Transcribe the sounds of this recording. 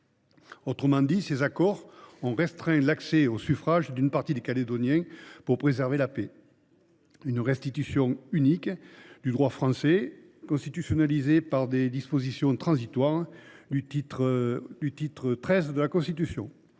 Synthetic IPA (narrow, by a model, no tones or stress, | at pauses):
ot̪χəmɑ̃d̪isezakɔʁɔ̃ʁɛst̪χɛ̃lakseosyfχaʒd̪ynpaʁt̪id̪ekaled̪ɔnjɛ̃puʁpχezɛʁvelape | ynʁɛst̪it̪ysjɔ̃ynikd̪̥yd̪ʁwafχɑ̃se | kɔ̃st̪it̪ysjɔnalizepaʁd̪ed̪ispozisjɔ̃t̪χɑ̃zit̪waʁd̪yit̪d̪yt̪it̪χət̪χɛzd̪əlakɔ̃st̪it̪ysjɔ̃